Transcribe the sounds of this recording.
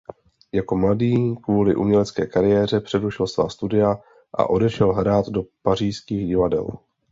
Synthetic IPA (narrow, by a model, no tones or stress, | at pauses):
jako̞mladiːkvuːlɪ̰ʔṵmɲɛlɛt͡skɛːkaɾɪjɛːr̝ɛpr̝̥ɛduʃɪlsva̰ːst̪udɪa | ʔa̰ʔo̞dɛʃɛlɦɾaːt̪do̞par̝iːskiːɣɟɪvadɛ̰l